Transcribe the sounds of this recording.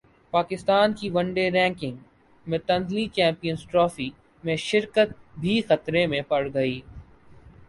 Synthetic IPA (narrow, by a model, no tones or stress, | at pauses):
paːkɪst̪aːnkiʋɐ̃ɳɖeɾɛ̃ːŋkɪ̃ŋɡ | mẽt̪ɐ̃nd̪lit͡ʃɛ̃ːmpijənsʈɾɔːfi | mẽʃɪɾkət̪̚bʱixɐt̪ɾemẽpɐɽɡɐiː